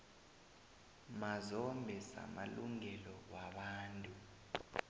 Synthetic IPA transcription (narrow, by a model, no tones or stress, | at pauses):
mazɔmbʱɛsa̰maluŋɛlɔwaɓaːntʼu